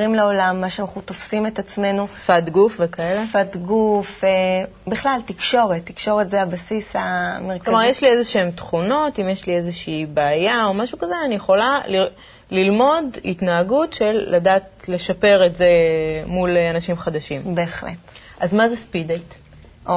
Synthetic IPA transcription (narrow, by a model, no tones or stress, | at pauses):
ʁimleolamːaʃeanaχnut̪ofsimet̪at͡sme̞nusfatɡufvekaelefat̪ɡufe | biχlalt̪ikʃo̞ʁet̪ːikʃo̞ʁetzeabasishameʁkloaʁjeʃliezeʃeemt̪χuno̞timjeʃliezeʃiːbaːjao̞maʃukazeanijeχo̞lali | lilmo̞dḭt̪naaɡutʃe̞lːadaːtle̞ʃape̞ʁetzemulanaʃimχad̪aʃimbeːχlḛt | ʔazmazespidejt | ʔo